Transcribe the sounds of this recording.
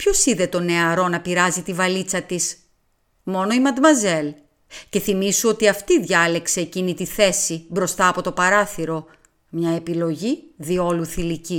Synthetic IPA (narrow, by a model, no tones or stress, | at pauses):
pço̞siðe̞t̪o̞ne̞ɐɾo̞nɐpiɾɐzit̪ivɐlit͡sɐt̪is | mo̞no̞imɐd̪mɐze̞l | ce̞θimisuo̞t̪iɐft̪iðʝɐle̞kse̞ːcinit̪iθe̞sibɾo̞st̪ɐːpo̞t̪opɐɾɐθiɾo̞ | mɲɐe̞pilo̞ʝiðio̞luθilici